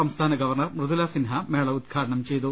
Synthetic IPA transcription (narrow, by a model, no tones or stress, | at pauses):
ɐmst̪ʰaːnɐɡɐʋɐrɳɐrmrɨðulaːsinɦɐmeːɭɐud̪̚ɡʰaːɾɐɳɐmt͡ɕe̞jt̪u